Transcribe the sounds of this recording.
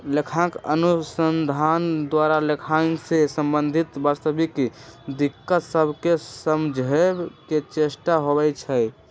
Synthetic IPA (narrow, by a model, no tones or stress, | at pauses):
lekʰãkənusənd̪ʱand̪waɾalekʰãŋksesəmbənd̪ʱit̪bast̪əbikd̪ikːət̪səbʱkesəmd͡ʒʱɦɛbket͡ʃesʈaɦoβɛt͡ʃʰəj